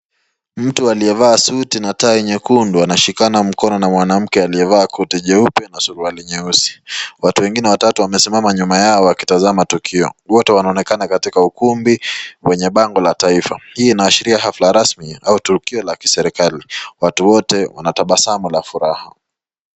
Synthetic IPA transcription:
m̩tualiɛvaːsutinataiɲɛkunduanaʃikanam̩kɔnɔnamwanam̩kɛaliɛvaːkʰutiʄɛupɛnasuɾualiɲɛusi̥watuwɛŋɡinɛwatatuwamɛsimamaɲumajaɔwaki̥tazamatukʰiɔ̰wɔtɛwanaɔnɛkanakatikaukumbiwɛɲɛɓaŋɡɔlataifa̰hiːnaːʃiɾiaɦaflaɾasmiautukiɔlaki̥sɛɾikaliwatuwɔtɛwa̰nataɓasamulafuɾaha̰

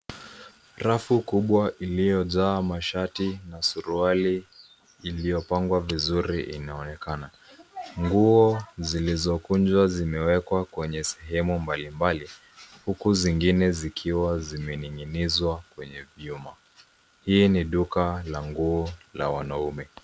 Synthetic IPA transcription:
ɾafukuɓwaʔilijɔʄaːmaʃatinasuɾualiː | lijɔpaŋɡwavizuɾiʔḭnaɔnɛkana | ŋɡuɔzilizɔkund͡ʒwazimɛwɛkwakwɛɲɛsɛɦɛmumbalimbali | hukuziŋɡinɛzikʰiwazimɛniŋinizwakwɛɲɛviuma | hiːniɗukalaŋɡuɔla̰wanaumɛ

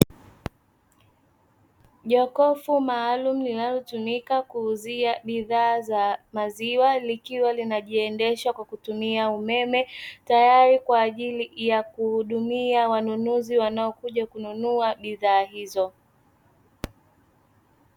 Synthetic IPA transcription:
ʄɔkɔfumaːlum̩ninalɔtumikakuːziaɓiðaːzamaziwalikiwalinaʄiɛndɛʃwakwakutumiaumɛmɛtajaɾikwaːʄilijakuhuɗumiawanunuziwanaɔkuʄakununuaɓiðaːɦizɔ

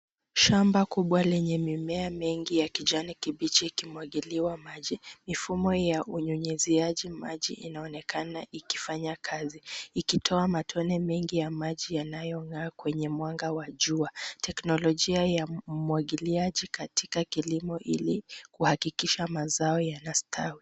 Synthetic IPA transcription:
ʃambakuɓwalɛɲɛmimɛamɛŋɡijakid͡ʒanikiɓit͡ʃiːkimwaɠiliwamaʄimifumɔjaʔuɲuɲɛziaʄimaʄḭʔinaɔnɛkʰanaʔiki̥faɲakʰaziikitʰɔamatʰɔnɛmɛŋɡijamaʄijanajɔŋɡaːkwɛɲɛmwaŋɡawaʄuatʰɛknɔlɔʄiajamuwaɠiliaʄikatikakilimɔʔilikuhakikiʃamazaɔjanastʰawi

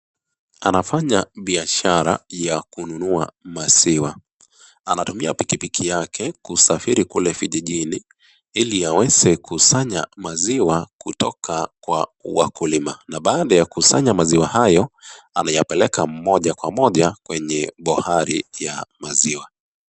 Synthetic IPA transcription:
anafaɲaɓiaʃaɾa̰jakununuamaziwa | anatumiapikipikʰijakʰɛkusafiɾikulɛfiʄiʄini | iliawɛzɛkʰusaɲamaziwakutɔkʰakwawakulimanaɓaːɗajakusaɲamaziwahajɔ | anajapɛlɛkam̩mɔʄakwamɔʄakwɛɲɛɓɔhaɾijamaziwa

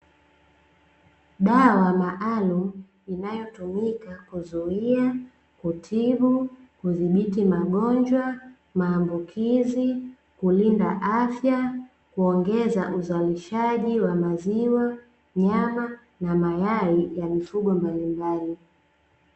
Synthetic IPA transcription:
ɗawamaʔalum̩ | inajɔtumikakuzuia | kutʰivu | kuðiɓitimaɠɔnd͡ʒwa | maːmbukʰizi | kulinda̰ʔafja | kuɔŋɡɛzaʔuzaliʃaʄiwamaziwa | ɲama | namajaɾijamifuɠɔmbalimbali

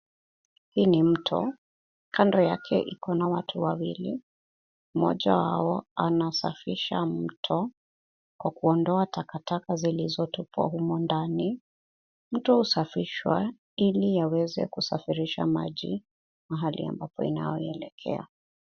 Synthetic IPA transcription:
hiːnim̩tʰɔ̰ | kʰandɔjakʰɛ̰ʔikɔnawatʰuwawili | mɔ̰ʄawaɔanasafiʃam̩tʰɔ | kwakuɔndɔatʰakatakazilizɔtupa̰humɔndani | m̩tɔhusafiʃwa | ilijawɛzɛ̰kusafiɾiʃa̰maʄḭ | maɦalʔḭa̰mbapɔḭna̰jɔiɛlɛkʰɛ̰a̰

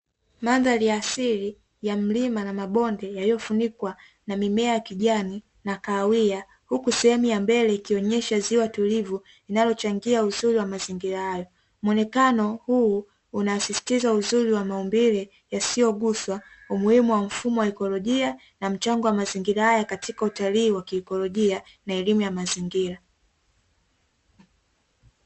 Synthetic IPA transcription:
manðalijasiɾi | jam̩limanamaɓɔndɛjalijɔfunikwa | namimɛajakiʄani | nakaːwia | hukusɛhɛmujambɛlɛikiɔɲɛʃaziwatulivu | inalɔt͡ʃaŋɡiauzuɾiwamaziŋɡiɾahajɔ | mɔnɛkanɔhuː | unaːsisi̥tizauzuɾiwamaɔmbiɾɛ | jasijɔɠuswaumuhimuwam̩fumɔwaɛkɔlɔʄia | nam̩t͡ʃaŋɡɔwamaziŋɡiɾahajakatʰikautaliːwakiɛkɔlɔʄia | naɛlimujamaziŋɡiɾa

